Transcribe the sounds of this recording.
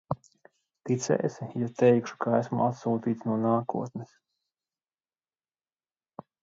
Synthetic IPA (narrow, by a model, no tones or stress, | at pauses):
t̪it̪sɛ̰ːsijat̪ɛjkʃu̥kʰaæsmuʔat̪suːt̪iːt̪snuɔnaːkṵɔt̪nɛs